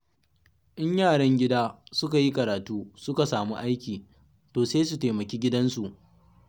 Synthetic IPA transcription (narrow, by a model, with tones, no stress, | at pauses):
ʔɪ˦ɲjaː˦˨ɽɐ˦ŋɡʲɪ˦daː˦sʊ˦ka˨ji˦kɐ˨ɾaː˨tuː˦sʊ˦ka˨saː˨mu˦ʔa˦jkʲiː˨ | toː˨seː˦su˨teː˨mɐ˨kʲeː˦ɡʲɪ˦dɐ˦nsu˨ʔ